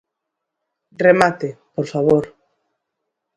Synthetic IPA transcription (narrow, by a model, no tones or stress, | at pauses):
remat̪epoɾfaβ̞oɾ